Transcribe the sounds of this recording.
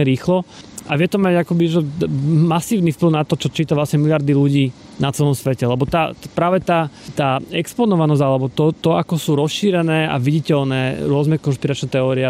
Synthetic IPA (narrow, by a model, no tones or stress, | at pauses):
ɾiːxlɔʔaʋɪɛt̪ɔmaɟakɔbiʒɛmasiːʊnifpliʊnat̪ɔt͡ʃɔt͡ʃiːt̪aʋlasɲɛmilɪaɾd̪iluɟiː | nat͡sɛlɔmsʋɛcɛlɛbɔt̪aːpɾaːʋɛt̪aːt̪aːɛkspɔnɔʋanɔzalɛbɔt̪ɔt̪ɔakɔsuːɾɔsʃiːɾɛnɛːa̰ʋiɟicɛlnɛːɾʊɔznɛkɔnʃpiɾat͡ʃnɛt̪ɛɔːɾiɛ